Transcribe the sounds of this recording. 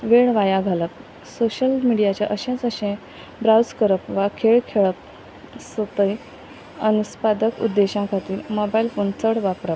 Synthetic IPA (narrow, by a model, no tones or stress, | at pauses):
ʋeɭʋajãɡʱalək̚ | soɕəlmiɽijat͡ɕjaʔəɕẽt͡səɕẽ | bɾawd͡zkəɾəpʋakʰeɭkʰeɭəp̚ | sət̪əj | ənuspad̪əkṵd̪ːeɕãkʰat̪iːɾmobailfont͡səɽʋapɾəp̚